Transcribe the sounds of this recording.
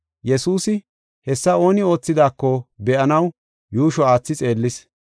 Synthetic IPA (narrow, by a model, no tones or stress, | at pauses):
jɛsuːsɪ | hɛsːɐo̞ːnɪo̞ːt͡sːɪd̪aːkːɔbɛʔɐnɐw | juːʃɔaːt͡sːɪt͡sʼe̞ːlːɪs